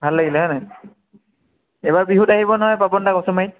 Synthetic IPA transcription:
bʱalːaɡilɛɦɔjna | ɛbaɹbiɦutaɦibɔnɔɦɔjpapɔndakɔsɔmait

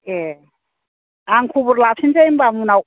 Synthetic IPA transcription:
e | aŋkʰubɔɾlap̚sʰinzajmbamunaw

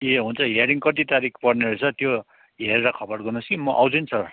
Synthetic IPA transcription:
eɦunt͡sʰʌɦeɾiŋkʌt̪̬it̪aɾikʰpʌrneɾut͡sʰʌt̪jo | ɦeɾeɾʌkʰʌbʌrɡʌnuskimʌʔawd͡zʌnt͡sʰʌ

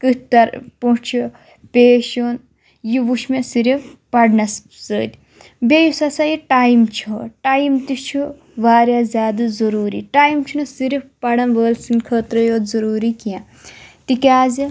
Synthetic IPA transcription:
kɨtt̪ɐɾpuɳt͡ʃʰu | pʲeːʃoːn | jiʋuʃʰmesiɾifpɐɽnɐs | səːd̪ʲ | bʲejusɐsajiʈaːjmt͡ʃʰuʈaːjmt̪it͡ʃʰu | ʋaːɾjaːzʲaːd̪ɨzɐɾuːɾḭʈaːjmt͡ʃʰunɨsiɾifpɐɽɐnʋəːlsinkʰəːt̪ɾɐjoːt̪zɐɾuːɾikiã | t̪ikʲaːzi

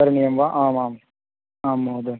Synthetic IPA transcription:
ɐɾnijɐmʋaːʔaːmaːm | aːmːoːd̪ɐ

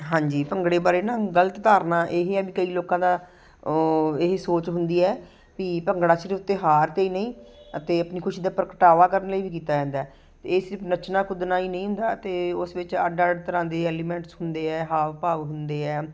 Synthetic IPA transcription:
ɦãːɲd͡ʒiːpəŋɡɽeːbaːɾeːnãːɡələt̪t̪aːɾnaːʔeːɦeɛbiːkəiːloːkãːd̪aː | ɪɦsoːt͡ʃɦʊnd̪iːɛː | piːpəŋɡɽaːt͡ʃəɾʊt̪ːeːɦaːɾt̪eːiːnəĩːət̪eːəpniːkʰʊʃiːd̪aːpəɾkəʈaːʋaːkəɾənləiːʋiːk̬iːt̪aːd͡ʒɛ̃ːnd̪aː | t̪eːsɪɾpʰnət͡ʃnãːkʰʊd̪naːiːnə̃ĩɦʊ̃nd̪aːt̪eːʊsʋɪt͡ʃə̰ɖəɖt̪əɾãːnd̪eːɛːliːmɛ̃ːɳʈsɦʊnd̪eːɛːɦaːʋpaːʋɦʊnd̪eːɛː

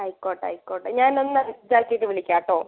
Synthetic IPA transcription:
ɐjkːoːʈːɐ̰jkːoːʈːɐɲaːnonːɐɨd͡ʑaːlkijʈːɨʋiɭikʲːaːʈːoː

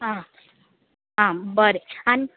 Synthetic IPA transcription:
ɦã | ɦãbəɾeani

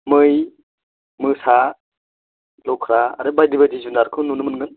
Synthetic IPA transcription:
mɯj | mɯsa | lɔkʰɾa̰ːɾɯbajdibajdizundaɾkʰɯnunɯmɯnŋɡɯn

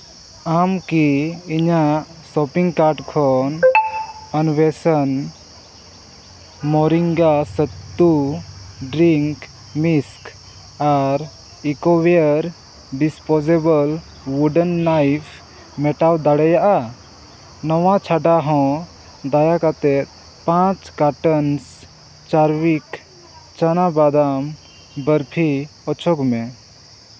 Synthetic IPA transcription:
amkiiɲaʔ | sɔpiŋkaɾɖkʰɔn | ənwɛsən | mɔɾiŋɡasət̪ːu | ɖɾiŋk | misk | aɾ | ikɔwɛəɾ | ɖispɔd͡ʒebəl | wuɖənːajpʰ | mɛʈawd̪aɽɛjaʔa | nɔwãt͡ʃʰaɖaɦɔ̃ | d̪ajakat̪ɛt̪̚ | pãt͡ʃkaʈəns | t͡ʃaɾwik | t͡ʃanabad̪am | bəɾpʰiɔt͡ʃʰɔɡmɛ̃

